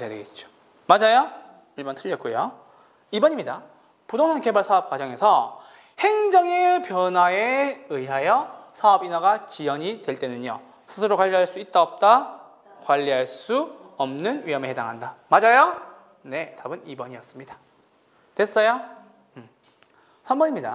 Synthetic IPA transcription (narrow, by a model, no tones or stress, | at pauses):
mad͡ʑajdweɡet̚t͡ɕ͈o̥ | mad͡ʑajo | iɭbʌntʰɯʎːʌk͈ujo | ibʌɲimɲida | pudoŋɦanke̞baɭsʰaʌp̚k͈wad͡ʑʌŋe̞sʰʌ | he̞ŋd͡ʑʌŋe̞pjʌnwae̞ɯiɦajʌsʰaʌbinaɡat͡ɕijʌɲitwe̞ɭt͈e̞nɯɲʌ̰ | sʰɯsʰɯɾokwaʎːiɦaɭs͈uit̚t͈aʌp̚t͈a | kwaʎːiɦaɭs͈uʌmnɯnɥiɦʌmeheda̰ŋɦandamad͡ʑajo | ne̞tabɯnibʌɲiʌs͈ɯmɲida | twe̞s͈ʌjo | sʰambʌɲimɲida̰